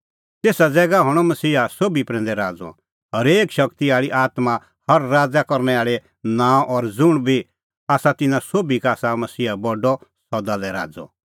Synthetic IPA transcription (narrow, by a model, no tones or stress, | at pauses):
t̪eːsad͡zɛːɡaɦɔɽ̃ɔmɐsiːasoːbipɾɛ̃ːnd̪ɛɾaːd͡zɔ̰̃ | ɔɾeːkʃɐkt̪iaːɭiʔaːt̪ma | hɐɾːaːd͡zakɔɾnɛaːɭe | nãːʔɔɾd͡zʊɽ̃bʱi | aːsat̪ɪnãsoːbikaːsamɐsiːabɔɖɔsɔd̪alɛɾa̰ːd͡zɔ̰̃